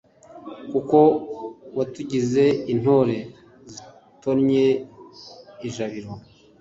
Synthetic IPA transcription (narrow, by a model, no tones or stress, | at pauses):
kuko̞watuɟize̞in̥o̞ɾe̞ | zi | tonɲe | iʒaβiɾo